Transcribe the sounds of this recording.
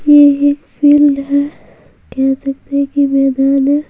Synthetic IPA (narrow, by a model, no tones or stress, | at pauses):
jeeːkpʰiːlɦɛ | kɛɦsɐk̚t̪ekimɛːd̪aːne